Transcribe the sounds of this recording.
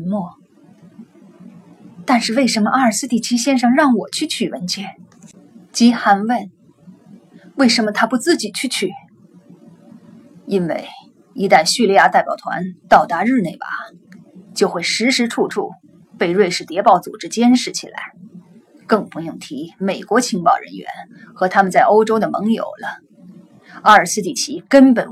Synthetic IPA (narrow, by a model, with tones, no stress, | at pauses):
nmwɔ˥˩ | t̪a˥˧nʂɻ̩˥˧we˥˩ɪʂə˧˥nmə˧ʔa˥ə˞˨˩sɹ̩˥t̪i˥˩t͡ɕʰi˥ɕjɛ˥˧nʂɑ˥˧ŋɻɑ˥˩ŋwɔ˨˩t͡ɕʰy˥˧t͡ɕʰy˨˩wə˧˥nt͡ɕʰɥɛ˥˩ | t͡ɕi˧˥xa˧˥nwə˥˩n | we˥˩ɪʂə˧˥nmə˧t̪ʰa˥pu˧˥t͡sɹ̩˥˩t͡ɕi˨˩t͡ɕʰy˥˧t͡ɕʰy˥˩ | i˥nwḛ˥˩ɪ | i˧˥t̪a˥˧nɕy˥˧li˥˧ja˥˧t̪a˥˩ɪpjɑ˨˩ʊt̪ʰwa̰˧˥nt̪ɑ˥˩ʊt̪a˧˥ɻɻ̩˥˧ne˥˩ɪpa̰˨˩ | t͡ɕjo˥˧ʊxwe˥˩ɪʂɻ̩˧˥ʂɻ̩˧˥ʈ͡ʂʰu˥˧ʈ͡ʂʰṵ˥˧ | pe˥˧ɪɻwe˥˧ɪʂɻ̩˥˩t̪jɛ˧˥pɑ˥˩ʊt͡su˨˩ʈ͡ʂɻ̩˥˧t͡ɕjɛ˥nʂɻ̩˧˥t͡ɕʰḭ˨˩la̰˧˥ɪ | kɤ˥˩ŋpu˧˥jʊ˥˩ŋt̪ʰi˧˥me˨˩ɪkwɔ˧˥t͡ɕʰi˧˥ŋpɑ˥˩ʊɻə̰˧˥nɥɛ̰˧˥n | xɤ˧˥t̪ʰa˥mə˨nt͡sa˥˩ɪʔo˥ʊʈ͡ʂo˥ʊd̪ə˨mɤ̰˧˥ŋjo̰˨˩ʊlə˦ | a˥ə˞˨˩sɹ̩˥˧t̪i˥˩t͡ɕʰi˧˥kə˥npə˨˩n